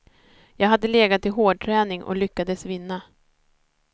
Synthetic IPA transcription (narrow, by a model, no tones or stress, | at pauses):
jɑːɡɦad̪ːəleːɡat̪ʰːɪɦoːɖ̚ʈʰɾɛːnɪŋʔɔ̰lʏkːad̪əsvɪnːa